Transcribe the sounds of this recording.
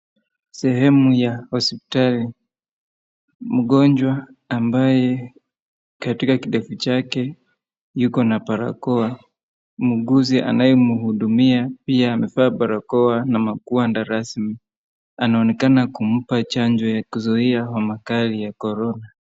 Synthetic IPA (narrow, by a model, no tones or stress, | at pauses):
sɛɦɛmujahɔspi̥tali | m̩ɠɔɲd͡ʒwaːmbajɛ | katikakiɗɛfut͡ʃakɛ | jukɔnapaɾa̰kɔa | muɠuziʔa̰najɔmuhuɗumiapiaːmɛfaːpaɾakɔanamakuandaɾasmi | anaɔnɛkanakum̩pat͡ʃaɲd͡ʒɔjakuzɔiawamakalijakɔɾɔna